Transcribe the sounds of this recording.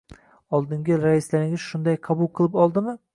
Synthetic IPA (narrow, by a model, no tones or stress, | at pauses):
ɒlˠd̪ɪŋɡʲɪɾaɪslaɾɪŋʲɪz̥ʃʊnd̪ajqʰɑbʊlˠqʰɨlˠɪpɒlˠd̪ɪmɪ